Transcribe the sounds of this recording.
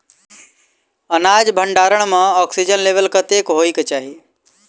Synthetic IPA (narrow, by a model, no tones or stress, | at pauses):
ənaːd͡ʒbʱəɳɖaːɾəɳ̃mãɔːksid͡ʒənleːʋəlkət̪eːkɦoːiːkt͡ʃaːɦi